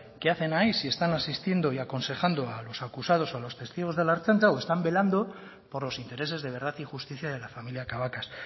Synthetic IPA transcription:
ke̞aθe̞naisie̞st̪anasist̪je̞nd̪o̞iako̞nse̞xand̪o̞alo̞sakusað̞o̞salo̞st̪e̞st̪iɣ̞o̞zð̞e̞laɾt͡ʃant͡saoe̞st̪ambe̞land̪o̞ | po̞ɾlo̞sint̪e̞ɾe̞se̞zðe̞β̞e̞ɾð̞aθixust̪iθjað̞e̞lafamiljakaβ̞akas

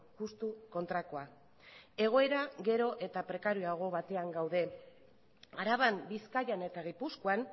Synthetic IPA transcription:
ʝust̪uko̞nt̪ɾako̞a | e̞ɣ̞o̞e̞ɾaɣe̞ɾo̞ʔe̞t̪apɾe̞kaɾuaɣ̞o̞βat̪e̞aŋɡawðe̞ | aɾaβambiskajane̞t̪aɣ̞ipuskuan

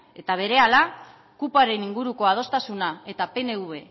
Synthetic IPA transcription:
e̞t̪aβ̞e̞ɾe̞ala | kupaɾe̞niŋɡuɾuko̞að̞o̞st̪asunae̞t̪ape̞ne̞uβe̞

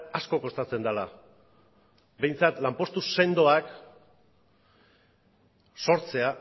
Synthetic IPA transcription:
asko̞ko̞st̪at͡se̞nd̪ala | be̞jnt͡sat̪lampo̞st̪use̞nd̪o̞ak | so̞ɾt͡se̞a

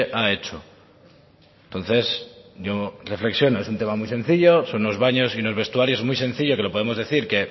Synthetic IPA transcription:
ʔaet͡ʃo | nt̪o̞n̟θe̞sɟ͡ʝore̞fle̞ksjo̞noesunt̪e̞mamujse̞n̟θiʎoso̞nːo̞zβaɲo̞siunozβe̞st̪uaɾjomujsẽ̞nθiʎo̞ke̞lo̞poðemo̞zðe̞θiɾke̞

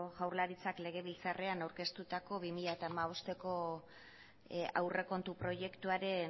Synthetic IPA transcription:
ɣawɾlaɾit͡sakle̞ɣ̞e̞βilt͡sare̞anawɾke̞st̪ut̪ako̞βimiʎaet̪aːmaβ̞o̞st̪e̞ko̞ | a̰wre̞ko̞nt̪upɾo̞je̞kt̪uaɾe̞

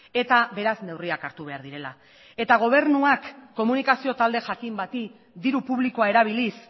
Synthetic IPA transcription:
e̞t̪abe̞ɾazne̞wriakaɾt̪uβe̞aɾðiɾe̞la̰ | e̞t̪aɣ̞o̞β̞e̞ɾnuakːo̞munikasio̞t̪ald̪e̞ʝakimbat̪i | d̪iɾupuβ̞liko̞ae̞ɾaβ̞ilis

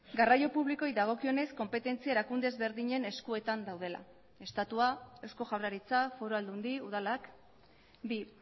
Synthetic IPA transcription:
ɡarajo̞puβliko̞jðaɣ̞o̞kio̞ne̞sko̞mpe̞t̪e̞nt͡siae̞ɾakund̪e̞zβe̞ɾðiɲe̞ne̞skue̞t̪and̪awð̞e̞la̰ | e̞st̪at̪uae̞wsko̞ʝawraɾit͡safo̞ɾo̞ald̪und̪iuð̞alak | bi

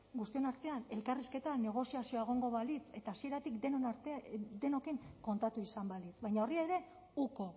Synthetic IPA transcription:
ɡust̪io̞naɾt̪e̞ane̞lkariske̞t̪ane̞ɣ̞o̞siasioaeɣ̞o̞ŋɡo̞βalit͡se̞t̪aːsie̞ɾat̪ikd̪eɾt̪ed̪e̞nokeŋko̞nt̪at̪uisambalit͡sbβajɲao̞riaɾe̞ | uko̞

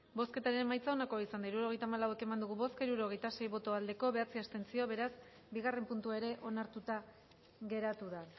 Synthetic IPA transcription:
bo̞ske̞t̪aɾemajt͡sao̞nako̞aisand̪aiɾuɾuo̞ɣ̞ejt̪aːmalawe̞ke̞mand̪uɣ̞uβo̞skaiɾuɾo̞ɣe̞jt̪ase̞jβo̞t̪o̞ald̪e̞ko̞βe̞at͡siast̪e̞nt͡sio̞βe̞ɾas | biɣ̞are̞mpunt̪uae̞ɾe̞ʔo̞naɾt̪ut̪a | ɣe̞ɾat̪uða

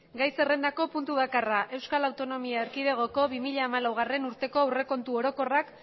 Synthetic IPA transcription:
ɡajse̞re̞nd̪ako̞punt̪uβ̞akaraʔe̞wskalawt̪o̞no̞miaeɾkið̞e̞ɣ̞o̞ko̞βimiʎaːmalawɣ̞are̞nuɾt̪e̞ko̞awre̞ko̞nt̪uo̞ɾo̞ko̞rak

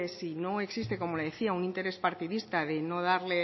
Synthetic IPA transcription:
esinõŋe̞ksist̪ekomoleðeθiauŋint̪e̞ɾespaɾt̪iðist̪aðenoð̞aɾle

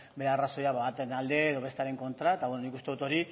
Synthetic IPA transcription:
be̞ɾearaso̞jaβaβat̪enald̪e̞ːðo̞βe̞st̪eaɾe̞ŋko̞nt̪ɾaet̪aβwenonikust̪eut̪o̞ɾi

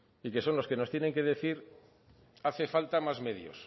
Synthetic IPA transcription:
ike̞so̞nloke̞not̪jene̞ŋke̞ðe̞θiɾ | aθe̞falt̪amazme̞ðjo̞̰s

